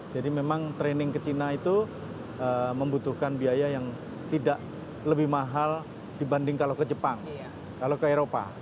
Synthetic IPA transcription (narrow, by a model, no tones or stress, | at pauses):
d͡ʒadimemaŋt̪ɾenɪŋkət͡ʃinait̪u | əməmbut̪uhkanbiajajaŋ | t̪idaʔ | ləbɪhmaɦal | d̥ibandɪŋkalokəd͡ʒəpaŋ | kalokəeɾopa̰